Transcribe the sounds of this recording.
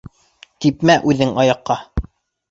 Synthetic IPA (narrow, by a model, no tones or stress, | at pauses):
t̪ipmæʔʉðɘŋɑjɑqːɑ